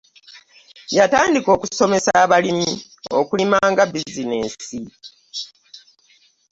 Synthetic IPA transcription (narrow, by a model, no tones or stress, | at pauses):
jataːndiko̞ːku̥so̞me̞saːβalimi | o̰kulimaːŋɡabizineːsi